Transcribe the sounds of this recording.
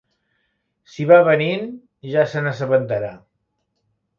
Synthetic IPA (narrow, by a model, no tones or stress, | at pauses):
siβaβənin | ʒasənəs̬əβənt̪əɾa